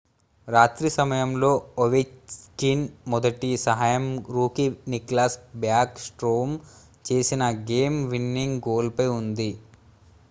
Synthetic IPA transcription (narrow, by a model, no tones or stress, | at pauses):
ɾaːt̪ɾisɐmɐjɐmlo̞ːoʋet͡ʃskinmɔd̪ɐʈisɐɦaːjɐmɾuːkiniklaːsbjaːksʈɾoːm | t͡ʃe̞ːsinɐɡeːmʋinːiŋɡɡoːlpɐjund̪i